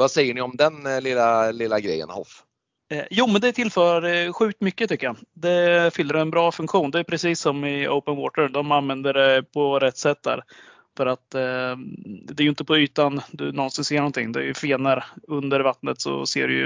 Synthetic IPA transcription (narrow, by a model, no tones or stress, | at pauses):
vasɛjːəɳɪɔmd̪ɛnlɪlːalɪlːaɡɾɛ̰jːə̰nhɔ̰f | juːmɛnd̪ɛt̪ʰɪlfœːɾaɖɧʉ̟ːk̚t̪mʏkːət̪ʰʏkːəjad̪ɛfʏlːəɾɛnbɾɑːfɵnŋkɧuːnd̪ɛæjpʰɾɛsiːsːɔmɪə̰ʊpənwɔːʈ̪əd̪ɔmanvɛnd̪əɖɛpʰɔɾɛt̪ːsɛt̪̚ːd̪æ̰ːɾ | fœɾat̪ | d̪ɛːɾjʏɪnt̪əpʰɔyːt̪and̪ɵnɔnsɪnseːɳnɔnt̪ʰɪ̰ŋːd̪ɛæ̰jɵfeːnəɾɵnd̪əɾvat̪nət̪sɔ̰seːɖɵ̰jɵ̰